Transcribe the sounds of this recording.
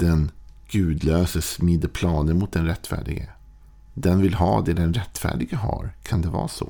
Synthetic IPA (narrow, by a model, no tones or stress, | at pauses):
d̪̥ɛnɡ̥ʉ̟ːd̪løːsəsmɪd̪əpʰlɑːnənmʊt̪̚d̪ɛnɾɛt̪ːfæ̰ːɖɪ̰ɡə̰ | d̪ɛnvɪlɦɑːd̪ɛɖɛnɾɛt̪ːfæ̰ːɖɪɡəɦa̰ɾkʰand̪ɛvɑ̰ːso